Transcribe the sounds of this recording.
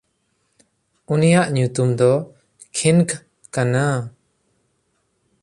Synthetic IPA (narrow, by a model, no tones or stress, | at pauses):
unijaʔɲut̪umd̪ɔ | kʰinkʰ | kana